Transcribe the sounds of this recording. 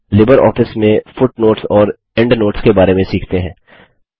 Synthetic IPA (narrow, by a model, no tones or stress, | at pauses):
lɪbəɾɔ̰ːfɪsmẽfʊʈnoːʈsɔːɾ | ɛ̃ɳɖnoːʈskebaːɾemẽsiːkʰt̪eɦɛ̃ː